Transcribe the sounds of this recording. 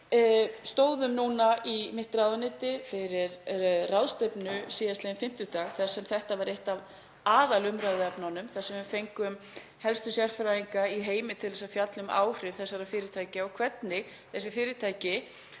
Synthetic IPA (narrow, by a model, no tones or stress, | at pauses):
st̪oːwðʏmnuːnaʔimɪht̪ɾaðanɪːt̪ɪfɪɾɪɾrawðst̪epnʏsiːjasleːnfɪm̥t̪ʏt̪aːɣθḁsɛmθɛht̪avaɾjejht̪av | aːðalʏmɾaðɪɛpnanʏmθasɛmʏmfejŋkʏm | hɛlst̪ʏsjɛr̥fɾajiŋkaiɦeːjmɪt̪ʰɪlɛsafjat̪lʏma̰ːwr̥ɪvθɛsːaɾafɪːɾɪt̪ʰaːjcɪaɣkʰvɛt̪nɪ | θɛsːɪfɪːɾɪt̪ʰaːjcɪ